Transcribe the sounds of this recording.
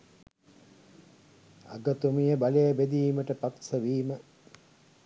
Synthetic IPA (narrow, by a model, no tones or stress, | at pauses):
a̰ɡət̪umijəbalejəbed̪iːməʈəpat̪səʋiːmə